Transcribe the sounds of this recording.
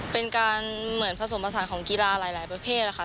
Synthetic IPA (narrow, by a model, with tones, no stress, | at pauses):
pe˧nkaː˧nmɯ˨˩˦ə˦npʰa˧s̬o˩˦mpa˧s̬aː˩˦nkʰɔː˩˦ŋki˧laː˧laː˩˦jlaː˩˦jpɾa˧pʰeː˥˩t̪̚la˧˩kʰa˥˩